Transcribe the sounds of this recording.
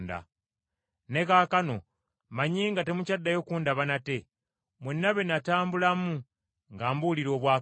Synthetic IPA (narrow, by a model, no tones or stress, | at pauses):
nda̰ | ne̞kaːkano̞ | maɲiːŋɡate̞mucadːajo̞kuːndaβanate̞ | mwenːaβe̞nataːmbulamu | ŋɡaːmbuliɾo̞ːβwaː